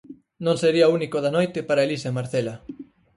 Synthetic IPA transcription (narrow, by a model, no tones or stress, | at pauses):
nõŋseɾiɐounikoðanojt̪epaɾaelisemaɾθelɐ